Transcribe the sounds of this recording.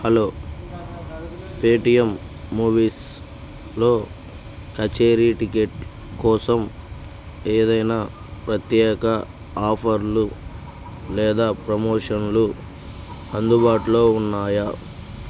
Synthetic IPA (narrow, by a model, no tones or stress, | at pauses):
hɐlo̞ː | peːʈijemː | uːʋiːs | lo̞ː | kɐt͡ʃeːɾiʈikeʈ | kɔːsɐm | eːd̪ɐjnaː | pɾɐt̪jɛːkɐ | aːpʰɐɾlu | lɛːd̪aːpɾɐmoːʂɐnlu | ɐnd̪ubaːʈulo̞ːunːaːja